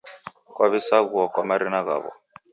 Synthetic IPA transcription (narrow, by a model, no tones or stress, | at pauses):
kwaβisaɣuɔkwamaɾinaɣa̰ːβɔ̰